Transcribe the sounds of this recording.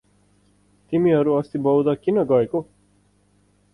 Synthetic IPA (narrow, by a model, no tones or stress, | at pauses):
t̪imiɦʌɾuʌst̪ibʌwd̪ʌkinʌɡʌeko